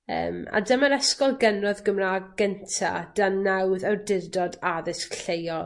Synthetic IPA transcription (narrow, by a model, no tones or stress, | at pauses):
ə̰ːma̰dəmaɾɛskɔlˠɡɛnrɔðɡəmraɡɛntʰa̰d̥annːawðardɪrdɔdaðɪskɬejɔl